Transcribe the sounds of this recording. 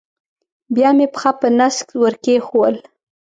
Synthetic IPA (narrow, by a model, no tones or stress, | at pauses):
bjɑmepəxɑpənaskwəɾkexowəl